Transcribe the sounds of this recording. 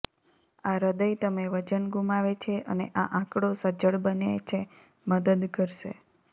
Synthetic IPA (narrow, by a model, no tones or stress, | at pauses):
aɾəd̪əjt̪əmeʋət͡ʃənɡʱumaʋet͡ʃʰeʔə̰neʔaʔãkɽosəd͡ʒəɭbənet͡ʃʰe | məd̪əd̪kəɾʃḛ